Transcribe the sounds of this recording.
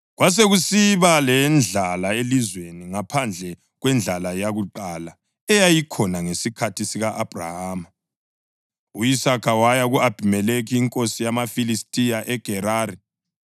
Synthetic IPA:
ɣwas̬eɣusiβalɛnd͡ɮʱalaelizweniŋapʰand͡ɮʱɛ | ɣwɛnd͡ɮʱalajaɣuǃala | ɛjajikʰɔnaŋesikʰatʰisiɣaʔab̥ʱra̰haːma | uisakʰawajaɣuab̥ʱimɛlekʰiːŋkʼosijamafilistʼijaʔɛɡ̥ʱɛɾaːɾi

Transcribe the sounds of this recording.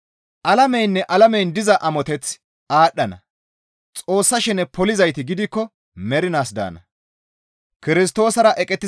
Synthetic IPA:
ʔɐlɐmɛjnːɛʔɐlɐmɛjnd̪ɪzɐʔɐmɔt̪ɛt͡s | aːɗːɐnɐ̰ | t͡sʼo̞ːsːɐʃɪnɛpɔlɪzɐjt̪ɪɡɪd̪ɪkːɔ | mɛɾɪnaːsd̪a̰ːnɐ̰ | kɪɾɪs̬t̪o̞ːsɐɾɐʔɛkʼɛt̪ːɪ

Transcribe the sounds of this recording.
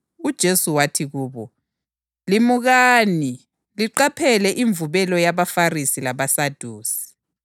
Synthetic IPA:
ud̥ʒ̥ʱesuwatʰiɣuːβɔ | limuɣaːni | liǃapʰɛlɛʔiɱvuβɛlɔjaβafarisilaβasad̥ʱuːsi̥

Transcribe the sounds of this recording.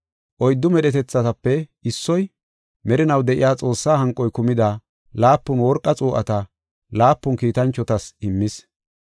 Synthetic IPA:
ʔɔjd̪ːʊmɛɗɛt̪ɛt͡sːɐt̪ɐpːɛɪsːɔj | mɛɾɪnɐwd̪ɛʔɪ̰jaːt͡sʼo̞ːsːaːɦɐŋkʼːɔjkʊmɪd̪a | laːpːʊnwɔɾkʼːɐt͡sʼuːʔɐt̪ɐ | laːpːʊnkiːt̪ɐnt͡ʃːɔt̪ɐsɪmːɪs

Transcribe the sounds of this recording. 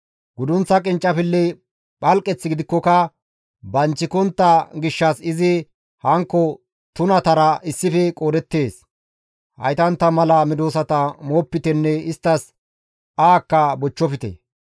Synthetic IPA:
ɡʊd̪ʊnt͡sːɐkʼɪnt͡ʃʼːɐfɪlːɛ | ɓɐlkʼːɛt͡sːɪɡɪd̪ɪkːɔkɐ | bɐnt͡ʃːɪkɔnt̪ːɐɡɪʃːɐsɪzɪ | hɐŋkːɔ | t̪ʊnɐt̪ɐɾɐʔɪsːɪfɛkʼoːd̪ɛt̪ːe̞ːs | hɐ̰jt̪ɐnt̪ːɐmɐlɐmɪd̪oːsɐt̪ɐmoːpːɪt̪ɛnːɛɪst̪ːɐs | aːkːɐbɔt͡ʃːɔfɪt̪ɛ̰

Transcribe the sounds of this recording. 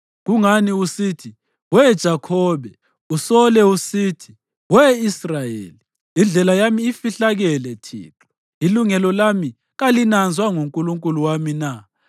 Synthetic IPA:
ɣuŋaniusitʰi | wɛd̥ʒ̥ʱakʰɔːβɛ | usɔlɛusiːtʰi̥ | wɛisrajḛːli | ind͡ɮʱɛlajamiːfiɬaɣɛlɛtʰḭːǁɔ | iluŋɛlɔlami | ɣalinand͡zʱwaŋuŋkʼuluŋkʼuluwamina

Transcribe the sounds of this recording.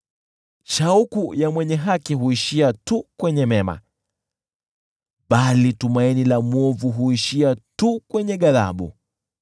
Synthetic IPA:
ʃaukujamwɛɲɛɦakiɦuiʃiatukwɛɲɛmɛma̰ | ɓalitumainilamɔvuɦuiʃiatukwɛɲɛɠaða̰ɓṵ

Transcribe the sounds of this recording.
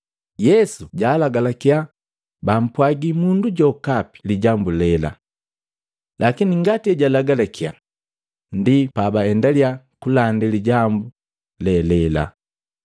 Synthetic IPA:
jɛsuɟaːlaɡalakja | bam̩pwaɡimunduɟɔkapi̥liɟambulɛla̰ | lʔakiniŋɡatiɛɟalaɡalakija | ndipabaɛndalja | kulandiliɟambu | lɛlɛla̰

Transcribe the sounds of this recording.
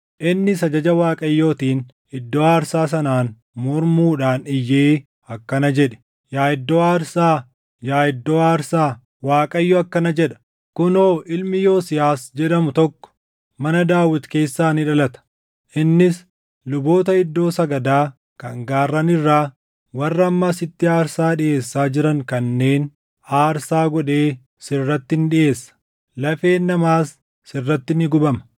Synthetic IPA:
ʔɪnːɪsɐd͡ʒɐd͡ʒɐwaːkʼɐjːo̞ːt̪iːn | ɪd̪ːo̞ːaːɾsaːs̬ɐnaːn | mɔɾmuːᶑaːnɪjːeː | ɐkːɐnɐd͡ʒɛᶑɛ̥ | jaːɪd̪ːoːaːɾsaː | jaːɪd̪ːoːaːɾsaː | waːkʼɐjːɔɐkːɐnɐd͡ʒɛᶑɐ̥ | kʊno̞ːʔɪlmɪjo̞ːsɪjaːsd͡ʒɛᶑɐmʊt̪ɔkːɔ̥ | mɐnɐd̪aːwɪt̪ke̞ːsːaːnɪᶑɐlɐt̪ɐ̥ | ʔɪnːɪs | lʊbo̞ːt̪̬ɐɪd̪ːo̞ːsɐɡɐd̪aː | kɐŋɡaːrːɐnɪrːaː | wɐrːɐɐmːɐːsɪt̪ːɪaːɾsaːᶑɪʔe̞ːsːaːd͡ʒɪɾɐŋkɐnːe̞ːn | aːɾsaːɡɔᶑe̞ː | sɪrːɐt̪ːɪnᶑɪʔe̞ːsːɐ̥ | lɐfe̞ːnːɐmaːsː | ɪrːɐt̪ːɪnɪɡʊbɐmɐ

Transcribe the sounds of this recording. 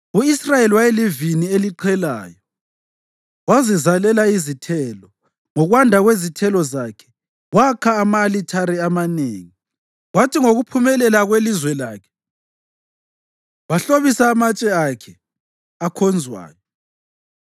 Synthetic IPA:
uisrajeliwajelivinieliǃʰɛla̰ːjɔ | wazizalɛlaizitʰɛlɔ | ŋɔɣwandʱaɣwezitʰɛlɔzakʰɛ̥ | wakʰaːmaːlitʰaɾiamanḛːŋi | ɣwatʰiŋoɣupʰumɛlɛlaɣwelizwɛlaːkʰɛ̥ | waɬoβisaːmat͡ʃʼɛakʰɛ | akʰɔnd͡zʱwa̰ːjɔ

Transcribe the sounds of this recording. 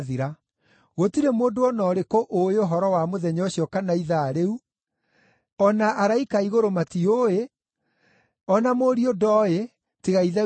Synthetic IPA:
ðiɾa | ɣotiɾemoːdoɔnɔɾekoʔoeoɦɔɾɔwamoðɛɲɔoɕiɔkanaiðaɾeu | ɔnaʔaɾaikaiɣoɾomatioe | ɔnamoːɾiodɔe | teɣaiðɛ

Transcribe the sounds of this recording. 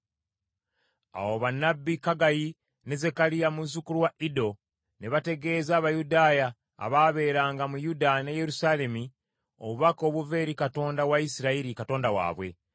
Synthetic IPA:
a̰woβanːabːikaɡaji | ne̞ze̞kalijamuzukuluwaʔido̞ | ne̞βate̞ɡe̞ːzaːβajudaːja̰ː | βaβe̞ːɾaːŋɡamujudane̞je̞ɾusale̞mi | o̰βuβako̞ːβuve̞ːɾikato̞ːndawaisiɾaiɾikato̞ːndawa̰ːβwe̞̰

